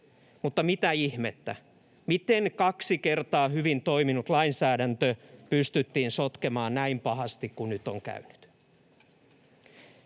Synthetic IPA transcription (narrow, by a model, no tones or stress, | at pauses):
mut̪ːɑmit̪æihmet̪ːæ̰ | mit̪eŋkɑksikert̪ɑːhyʋint̪o̞iminut̪lɑinsæːdænt̪øpyst̪yt̪ːiːnsot̪kemɑːnnæimpɑɦɑst̪ikkunnyt̪ːoŋkæ̰yny̥t̪